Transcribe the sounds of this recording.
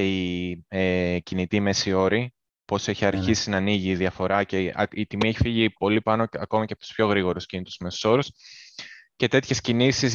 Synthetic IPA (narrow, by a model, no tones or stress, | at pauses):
eiecinit̪ime̞sio̞ɾi | po̞se̞çiɐɾçisinɐːniʝiːðiɐfo̞ɾɐceɐ̰it̪imieçifiʝipo̞lipɐnoɐko̞mɐcepot̪u̥spço̞ɣɾiɣo̞ɾuscinit̪ozmeso̥so̞ɾus | ce̞t̪e̞t̪çe̞scinisiz